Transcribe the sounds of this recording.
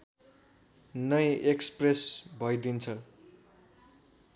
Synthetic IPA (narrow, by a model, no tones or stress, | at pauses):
nʌjekspresbʱʌjd̪int͡sʰʌ